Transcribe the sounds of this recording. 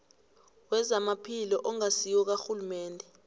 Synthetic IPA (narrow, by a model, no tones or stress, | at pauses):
wɛzamapʰilɔʔɔŋasiwɔk̬axulumɛːndʱɛ